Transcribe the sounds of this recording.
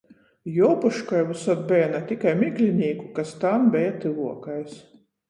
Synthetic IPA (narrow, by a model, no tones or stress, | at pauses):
jɔwpuʃkajvusɔt̪̚bʲɛjanat̪ʲikajmʲiklʲinʲiːkukast̪anbʲɛjat̪ɨluɔkajs